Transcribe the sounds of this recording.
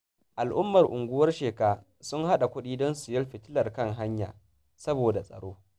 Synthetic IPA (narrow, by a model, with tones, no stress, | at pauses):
ʔa˨lʔʊ˦mːɐ˨rʔʊ˨ŋɡʷʊ˦wɐ˦rʃeː˨kaː˦ | sʊ˦ŋha˦ɗa˨kʷʊ˦ɗiː˦dɔ˦nsʊ˨jɐ˦lɸɪ˨tɪ˦lɐ˨rkɐ˦˨ŋɦa˦ɲja̰ː˨ | sɐ˦boː˨da˨sʼɐ̰˨ɽoː˦